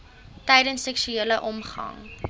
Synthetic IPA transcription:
tɛjdənsːɛkʃyeːləʔɔmχɐ̰ŋ

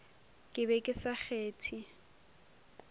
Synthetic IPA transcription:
kʼɪbɛkʼɪsaχʰeːtʰi

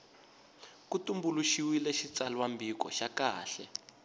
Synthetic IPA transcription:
kutumbuluʃiwilɛʃit͡salwambikɔ̰ʃakaːɬɛ

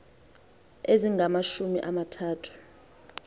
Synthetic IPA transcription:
eziŋʱamaʃumiʔamatʰaːtʰu̥

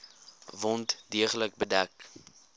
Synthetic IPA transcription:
vɔntdiəχələk̚bədæk

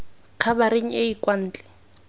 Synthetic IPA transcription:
q͡χʰabaɾeŋ̩eikwan̩ːt͡ɬʼɛ̥

